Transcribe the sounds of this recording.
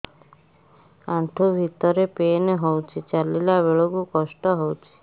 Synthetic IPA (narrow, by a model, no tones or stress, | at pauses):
ãɳʈʰobʱit̪ɔɾepeneɦɔwt͡ʃʰet͡ʃalelaʋeɭoɡukɔsʈɔɦɔwt͡ʃʰe̥